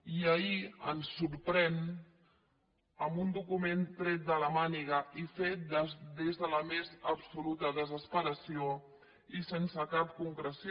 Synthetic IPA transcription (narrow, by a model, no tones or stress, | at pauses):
iəiə̰nsːuɾpɾɛn | əmbund̪ukument̪ɾɛt̪̚d̪ələmaniɣəʔifet̪̚d̪əd̪ezðələmezəbsulut̪əðəzəspəɾəsio | isensəkap̚kuŋkɾəs